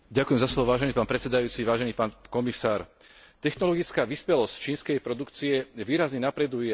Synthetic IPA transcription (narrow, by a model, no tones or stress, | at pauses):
ɟakujɛmzaslɔʋɔʋaːʒɛniːpaːnpɾɛt̪t͡sːɛd̪ajuːt͡siʋaːʒɛniːpaːnkɔmisaːɾ | t̪ɛxnɔlɔɡit͡skaːʋispɛlɔsct͡ʃiːnskɛjpɾɔd̪ukt͡siɛjɛʋiːɾazɲɛnapɾɛd̪uj